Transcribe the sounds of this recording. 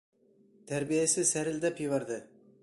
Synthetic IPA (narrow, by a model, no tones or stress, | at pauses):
t̪ʰæɾbijasɪsæɾɪld̪apʰivɑɾd̪ɪ